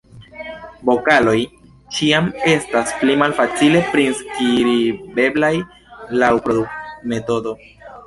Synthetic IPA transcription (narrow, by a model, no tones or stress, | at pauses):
bo̞kalo̞j | t͡ʃiame̞stasplimalfat͡sile̞pɾinskiɾibe̞blaj | lawpɾo̞dukme̞to̞do̞